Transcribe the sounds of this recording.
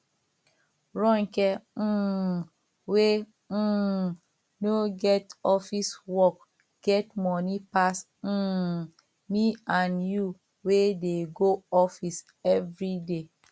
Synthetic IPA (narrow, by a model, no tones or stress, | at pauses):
ɹɔ̃ŋkɛ | we | noɡɛtɔfiswɔk | ɡ̥ɛtmɔnipas̩ | miãnju | wedeɡoɔfis | ɛvɹide